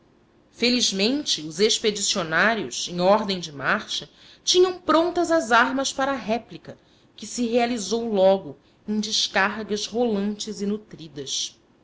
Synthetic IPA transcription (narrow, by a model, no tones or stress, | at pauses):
feliʒmẽnt͡ʃɪʊzeʃped͡ʒisionaɾjʊ̰sẽŋ̃ɔɾd̪ẽj̃d͡ʒɪmaɾʃɐ | t͡ʃĩɲɐ̃w̃pɾõnt̪ɐzɐzaɾmɐspaɾɐːɦɛplikɐ | kɪsɪɦealizowlɔɡʊ | ẽj̃d͡ʒɪʃkaɾɡɐzvolɐ̃nt͡ʃɪzɪnut̪ɾid̪ɐs